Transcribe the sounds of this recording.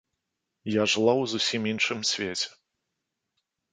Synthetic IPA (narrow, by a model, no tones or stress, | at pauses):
jaʐɨlˠawzusʲiminʂɨmsʲvʲet͡sʲɛ̥